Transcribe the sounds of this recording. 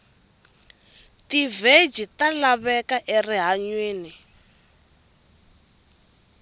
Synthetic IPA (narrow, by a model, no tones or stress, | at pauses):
tived͡ʒitalaβɛkaʔeriɦaɲweːni